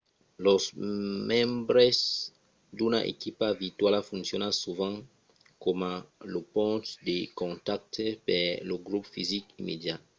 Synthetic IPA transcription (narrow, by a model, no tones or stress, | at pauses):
lozmɛ̃mbɾez | d̪unaʔḛkipavit̪walafunsjonasuvãŋ | komalopõnt̪d̪ekõnt̪ak̚t̪epeloɡɾupfizikimed̪ja